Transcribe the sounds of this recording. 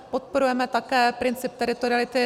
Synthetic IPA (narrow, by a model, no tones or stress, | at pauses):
pot̪̚poɾujɛmɛt̪akɛːpɾɪnt͡sɪp̚t̪ɛɾɪt̪oɾɪalɪt̪ɪ